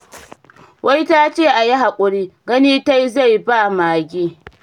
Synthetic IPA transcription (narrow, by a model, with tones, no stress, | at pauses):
wʔa˦jta˦t͡ʃeː˦˨ʔa˨ja˦ɦa˨kʷʼʊ˨ɽiː˦ɡɐ˦niː˦ta˦jza˦˨jba˦˨maː˨ɡʲiː˦˨